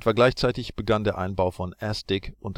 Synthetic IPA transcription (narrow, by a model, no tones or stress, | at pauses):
tv̥aɐɡlaɪçt͡saɪtɪçb̥əɡandeːɐʔa̰ɪnbaʊfɔnʔɛstɪkʔʊnt